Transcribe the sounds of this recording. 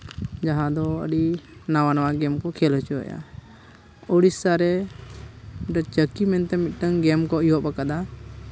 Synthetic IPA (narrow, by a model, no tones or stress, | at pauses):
d͡ʒaɦãd̪ɔə̰ɖinawanawaɡɛmkɔkʰɛlɦət͡ʃuɛ̰ja̰ | ɔɽisaɾɛ | ɖət͡ʃəkimɛnt̪ɛmit̪̚ˀʈəŋɡɛmkɔijɔʔbakad̪a